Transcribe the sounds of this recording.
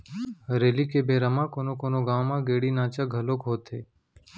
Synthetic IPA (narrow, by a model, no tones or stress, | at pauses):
ɾeːliːkeːbʱeːɾəmãːkoːnõːkoːnoːɡãːmãːɡeːɽiːnãːt͡ʃaɡʱəloːkɦoːt̪eː